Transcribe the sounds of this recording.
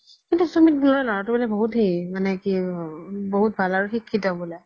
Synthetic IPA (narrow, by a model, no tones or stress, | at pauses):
kintusumit̚bulɔɹɛlɔɹatʊbolɛboɦutɦeimanɛki | boɦut̚bʱalaɹʊxikʰːitɔbɔlɛ